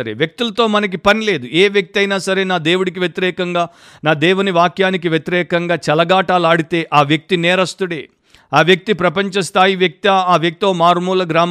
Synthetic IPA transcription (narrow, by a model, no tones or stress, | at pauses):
ɐɾḛʋjek̚t̪ulɐt̪o̞ːmɐnɐk̬ipɐnile̞ːd̪ueːʋjek̚t̪iɐjnaːsɐɾe̞ːnaːd̪eːwuɽik̬iʋjet̪iɾɛːkɐŋɡaː | naːd̪eːwuniʋaːkjaːnik̬iʋjet̪iɾɛːkɐŋɡaːt͡ʃɛlɐɡaːʈaːlaːɽit̪e̞ːʔaːʋjek̚t̪inɛːɾɐst̪uɽeː | aːʋjek̚t̪ipɾɐpɐɲt͡ʃɐst̪ʰaːjiʋjɐk̚t̪iaaːʋjek̚t̪ioːmaːɾmuːlɐɡɾaːm